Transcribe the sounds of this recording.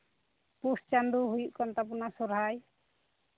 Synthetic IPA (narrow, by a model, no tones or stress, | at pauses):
pust͡ʃand̪uɦujuʔkɔnt̪ap̬unasɔɾɦaj